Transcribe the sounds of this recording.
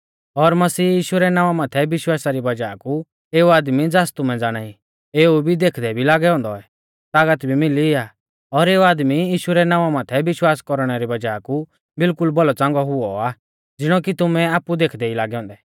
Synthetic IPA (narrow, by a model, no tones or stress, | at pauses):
ɔɾmɐsiːjiːʃuɾɛnãːʋamaːt̪ʰɛbɪʃwaːsaɾibɐd͡ʒaːku | eːuaːd̪mid͡zaːst̪umɛ̃d͡zaːɽ̃aːi | eːubʱid̪eːkʰd̪ɛbʱilaːɡɛɦɔ̃ːnd̪ɔɛ | t̪aːɡət̪bʱimɪliaː | ɔɾeːuaːd̪mijiːʃuɾɛnãːʋamaːt̪ʰɛbɪʃwaːskɔɾɽ̃ɛɾibɐd͡ʒaːku | bɪlkʊlbɔlɔt͡sãːŋ̆ɡɔɦʊɔaː | d͡zɪɽ̃ɔk̬it̪ʊmɛaːpud̪eːkʰd̪ɛilaːɡɛɦɔ̃ːnd̪ɛ